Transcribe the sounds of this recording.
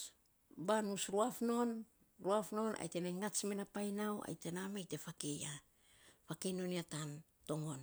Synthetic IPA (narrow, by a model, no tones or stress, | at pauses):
banusɾuafno̞n | ɾuafno̞na̰jte̞najŋat͡ʃmenapajnawa̰jte̞namajte̞fakeja | pakeno̞niatan | to̞ŋo̞n